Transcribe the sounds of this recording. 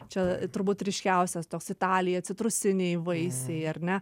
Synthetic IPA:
t͡ʃʲɛt̪ʊɾbuːt̪ɾʲɪʃʲkʲɛʊsʲɛst̪oːksɪt̪ɑːlʲɪjɛːt̪sʲɪt̪ɾʊsʲɪnʲɛɪʋɐɪsʲɛɪɐrnʲɛ

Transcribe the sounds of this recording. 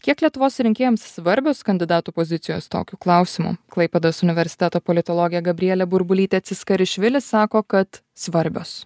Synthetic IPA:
kʲiɛklʲiɛt̪ʊʋoːsɾʲɪŋʲkʲeːjɛmsːʋɐɾʲbʲoːskɐnʲd̪ʲɪd̪ɑːt̪uːpozʲɪt̪sʲɪjo̰ːst̪o̰ːkʲuːklˠɑʊsʲɪmṵːklˠɐɪpʲɛd̪osʊnʲɪʋʲɛɾʲsʲɪ̥t̪ʲæːt̪oːpolʲɪt̪oːlˠoːɡʲɪjɛɡɐbʲɾʲɪjɛlʲɛbʊɾbʊlʲiːt̪ʲɛɐt̪sʲɪskɐɾʲɪʃʲʋʲɪlʲɪssɑːkoːkɐt̪ | sʋɐɾʲbʲo̰ːs

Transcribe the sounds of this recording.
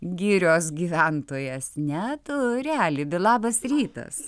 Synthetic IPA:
ɡʲiːɾʲoːsɡʲiːʋʲænt̪oːjesnʲɛt̪ʊɾʲæːlʲɪbʲɪlˠɑːbɐsɾʲiːt̪ɐ̰s

